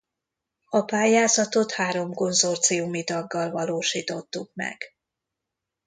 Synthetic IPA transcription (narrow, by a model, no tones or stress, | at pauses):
ɒpaːjaːzɒt̪o̞t̪haːɾo̞mko̞nzo̞rt̪sijumit̪ɒɡːɒlvɒloːʃiːt̪o̞t̪ːukmɛ̰ɡ̥